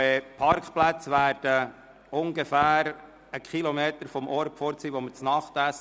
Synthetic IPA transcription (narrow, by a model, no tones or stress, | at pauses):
pʰɑɾkχplæt͡sʋæːɾd̥ə | ʊŋɡefæːɾ | əkχilɔmeːt̪əɾfɔmʔɔɾpfɔːɾt͡siːʋomət͡snɑχtæs